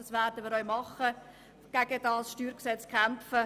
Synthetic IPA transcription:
ɑsʋæːrdəmiːɾœʏmɑχːə | ɡ̥æɡ̥əd̥ɑːsʃtyːɾksɛt͡skχæmfə

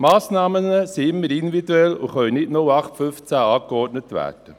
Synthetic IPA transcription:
mɑːsnɑːmənəsiɪmːəɾɪnviduɛlʊχœlənɪtnoɑχtfʏft͡sæɑːkeɔɾtnətʋæ̰ːd̥ə

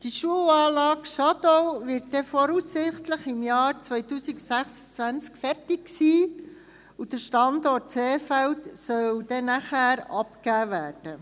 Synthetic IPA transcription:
d̥iʃuəwɑːlɑːkʃɑdɔvɪːɾt̚dɛfɔɾusːɪχtləχɪmjɑːɾt͡sʋœjtuːsiɡsæχsə̥t͡sʋænt͡skfɛrtɪksiː | ud̥əɾʃtɑndɔt̚t͡seːfæltsœwd̥ɛnæχæːɾɑpkæːvæːrd̥ə

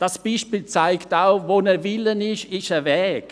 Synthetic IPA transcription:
d̥asb̥iːʃpiːlt͡saɪktaʊvonɛvɪlənɪʃɪʃəvɛːk

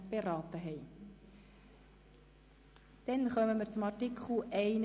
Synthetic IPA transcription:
b̥eɾɑːtəɦɛɪ | d̥ɛnχœməməɾt͡sʊmɑrtikʰχl̩ɛɪn

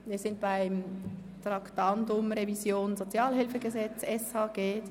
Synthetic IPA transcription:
miːɐsɪnt̚b̥aɪm | t̪rɑktɑndʊmɾevizjoːnzot͡sjɑːlɦɪlfəɡəzɛt͡sɛshɑɡ̥eː

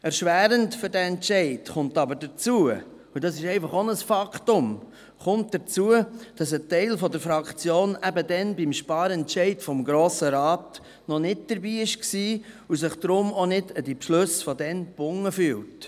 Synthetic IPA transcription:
ɛɾʃʋæːɾəntfʏɾdæɛntt͡ʃɛɪtχʊntɑbəɾdət͡suə | udɑsɪʃɛɪfɑχonəsfɑkχtʊm | χʊnt̚d̥ət͡suəd̥ɑsətɛɪlfɔdəɾfɾɑkt͡sjoːnæbədɛnbimʃpɑːɾɛntʃɛɪtfɔmɡɾoːsəɾɑːt | nɔnɪt̚d̥əɾbiːɪʃksiː | usɪχd̪̥ɾʊmonɪdədipʃlɵsfɔdɛnb̥ʊŋːəfyːlt

